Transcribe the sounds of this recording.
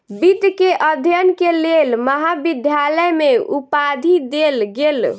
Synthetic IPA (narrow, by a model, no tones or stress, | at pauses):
bit̪keʔəd̪ʱjənkelelməɦabid̪ʱjaləjmeupad̪ʱid̪elɡel